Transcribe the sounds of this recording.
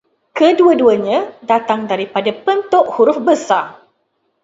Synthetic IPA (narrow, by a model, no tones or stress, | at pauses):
kəduəduəɲãdat̪aŋdaɾipadapənt̪ʊʔhuɾʊfbəsa